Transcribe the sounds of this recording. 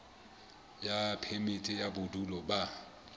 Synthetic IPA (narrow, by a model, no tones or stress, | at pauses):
japʰemɪtʼɪjabʊdulɔba